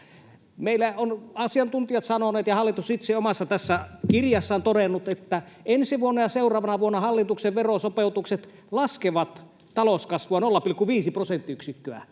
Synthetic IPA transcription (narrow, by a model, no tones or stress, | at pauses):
meilːæonɑsiɑnt̪unt̪ijɑt̪sɑnoneːt̪jɑhɑlːˑit̪usit̪seomɑsːɑt̪æsːækirjɑsːɑnt̪odenːut̪et̪ːæensiʋuonːɑjɑseurˑɑːʋɑnɑʋuonːɑhɑlːit̪ukseʋʋerosopeut̪ukset̪ | lɑskeʋɑt̪ | t̪ɑloskɑsʋuɑnolːɑpilkuʋiːsiprosent̪ːiyksikːøæ̰